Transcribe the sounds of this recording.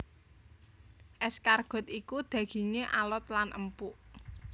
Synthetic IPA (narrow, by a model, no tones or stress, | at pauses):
ʔɛskarɡ̥ɔ̤t̪ikud̪̥ä̤ɡ̥i̤ŋeʔalɔt̪lanʔə̰mpuʔ